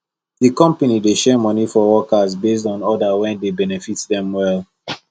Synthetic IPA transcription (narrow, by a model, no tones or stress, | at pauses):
ðikɔ̃mpanideʃɛmɔnifɔwɔkazbes̬dɔ̃nɔdawɛ̃ndebɛnɛfitðɛ̃mwɛlˠ